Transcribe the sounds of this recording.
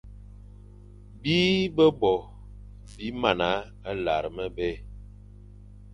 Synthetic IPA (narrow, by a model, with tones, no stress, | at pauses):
bi˦bə˦bɔ˨ | bi˨˦ma˨na˨˦ | a˦la˨ɾə˨mə˦be˦